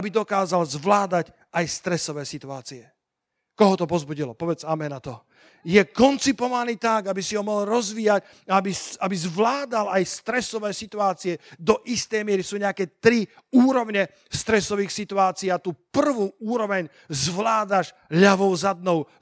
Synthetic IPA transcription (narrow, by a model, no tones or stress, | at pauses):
abid̪ɔkaːzalzʋlaːd̪ac | ajst̪ɾɛsɔʋɛːsit̪uaːt͡siɛ | kɔɦɔt̪ɔpɔzbuɟilɔpɔʋɛd͡zamɛnat̪ɔ | jɛkɔnt͡sipɔʋaniːt̪aɡabisiɦɔmɔɦɔlɾɔzʋijac | aabisabizʋlaːd̪alajst̪ɾɛsɔʋɛːsit̪uaːt͡siɛd̪ɔʔist̪ɛjmɪɛɾisuːɲɛakɛːt̪ɾiuːɾɔʊɲɛ | st̪ɾɛsɔʋiːxsit̪uaːt͡siːat̪uːpr̩ʋuːʔuːɾɔʋɛɲ | zʋlaːd̪aʃ | ʎaʋɔʊzad̪̚nɔʊ